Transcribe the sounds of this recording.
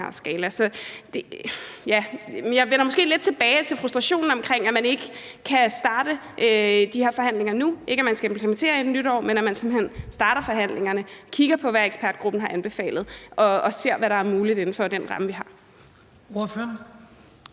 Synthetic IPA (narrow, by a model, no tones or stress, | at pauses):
sɡ̥ɛːlɐsɒ̽d̥ejæjɑ̈ɪʋenɐmɔ̽sɡ̥e̝̰ːled̥̚t͡sʰe̝b̥ɛːɪt͡sʰe̝lfʁusd̥ʁɑ̈ɕo̝̰ːn̩ɒmkʰʁeŋ̰æmæne̝ɡ̥ə | kʰæsd̥ɑ̈ːd̥ə | ʔød̥ihe̝ɐ̰fɒ̽ɦæn̰le̝ŋɐnuʔe̝ɡ̥əæmænsɡ̥æempʰlement͡sʰe̝̰ːɐed̥nyɾ̥ɒ̰ːmenæmænsem̥n̩hen̰sd̥ɑ̈ːɾɐfɒ̽ɦæn̰le̝ŋɐnəkʰiɡ̥ɐpʰɒ̽ʋæeɡ̥spʰæɐd̥̚ɡ̥ʁub̥n̩hɑ̈ʔænb̥e̝fɛ̰ːlð̩ˠʔɒ̽se̝ɐ̰ʋæɾɑ̈æɐmuːlid̥ˠe̝n̩fɒ̽d̥enʁɑ̈məʋiɦɑ̈ | oɐføɐn